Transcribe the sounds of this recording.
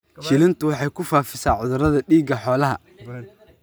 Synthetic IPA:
ʃɪlɪnt̪ʰʊwɑħɑjkʰʊfaːfɪsaːʕʊðʊɾɐðɐɖiːɡɐħɔːlɐɦɐ̰

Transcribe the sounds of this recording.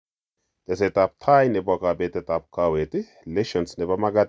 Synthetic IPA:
t̪ʼɛsɛt̪ab̚t̪ʰaːjnɛbakaːbeːt̪ɛt̪ʼab̚kaːweːt̪ɪ | lɛʃɔnsnɛbɐmɐɡɐt̪

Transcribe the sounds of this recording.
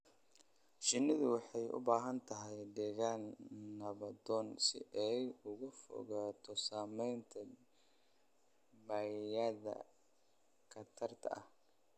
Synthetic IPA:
ʃɪnɪðʊwɑħɑjʊ̰baːɦɐnt̪ʰɐɦɛjd̪ɛːɣaːnːɐβɐd̪ɔːnsɪ̰ʔɛjʊɣʊfɔ̰ɣaːt̪ʰɔsaːmɛjnt̪ʰɐ | baːjjɐðɐ̰ | kʰɐt̪ʰɐrt̪ʰɐ̰ʔɐ̰h

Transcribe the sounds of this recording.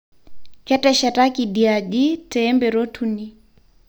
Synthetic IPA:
kɛtɛʃɛtakiɗiaɗitɛːmbɛɾɔtʰuni

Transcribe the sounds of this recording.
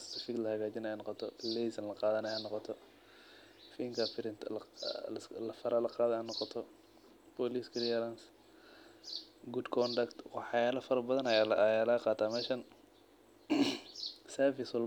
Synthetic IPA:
st̪ʰɐfiklɐhɐɣaːt͡ʃɪnajaːnɔqɔt̪ʰɔlɛzɐnlɐqɑːðɐnɐjanːɔqɔt̪ʰɔ | fiŋkʰɐfɪɾɪnt̪ʰ | lɐfɐɾʔɐlɐqɑːðɐanːɔqɔt̪ʰɔ | pɔliːskɪliɐɾans | ɡuːd̪kʰɔnd̪ɐkt̪wɑħɑjaːlɐfɐɾɐbɐðɐnɐjaljaːlaqɑːt̪ʰaːmɛːʃɐn | sɛɾfɪswɔl

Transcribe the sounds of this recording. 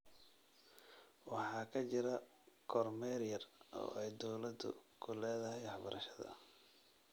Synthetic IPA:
wɑħɑːkʰɐt͡ʃɪɾɐ | kʰɔrmɛːɾjɐrɔ̰ːɛjd̪ɔwlɐd̪ʊ̰kʰʊlɛːðɐɦɛjwɑħbɐɾɐʃɐðɐ̰

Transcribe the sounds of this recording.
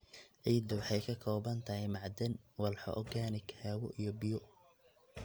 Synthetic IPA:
ʔɛjd̪ɔwɑħɑjkʰɐkʰɔːbɐnt̪ʰɐɦɛjmɑʕd̪ɛnwɐlħɔ̰ʔɔɡaːnɪɡhawɔʔijɔbɪjɔ

